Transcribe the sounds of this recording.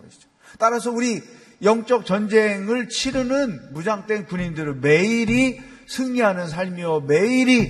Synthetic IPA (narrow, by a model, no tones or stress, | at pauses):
ʌɕi̥o | t͈aɾasʰʌuɾi | jʌŋt͡ɕ͈ʌk̚t͡ɕʌnd͡ʑe̞ŋɯɭt͡ɕʰiɾɯnɯnmud͡ʑaŋt͈we̞npuɲindɯɾɯme̞iɾi | sʰɯŋɲiɦanɯns̬ʰaɭmiʌme̞iɾi